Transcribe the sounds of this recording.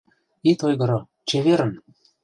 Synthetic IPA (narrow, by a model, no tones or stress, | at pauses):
it̪ojɣɤ̆ɾŏ | t͡ɕeβeɾə̆n